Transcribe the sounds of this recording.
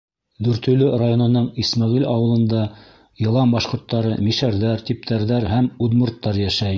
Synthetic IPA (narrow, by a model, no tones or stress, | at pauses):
d̪ɵɾt̪ɵ̆lɵrajonɤ̆nɤɴismɑʁilɑwɤ̆lˠɤ̆nd̪ɑ | jɤ̆lˠɑmbɑʃqŏɾt̪ːɑɾɤmiʃæɾðæɾt̪ip̚t̪ʰæɾðæɾhæmud̪mŏɾt̪ːɑɾjæʃæj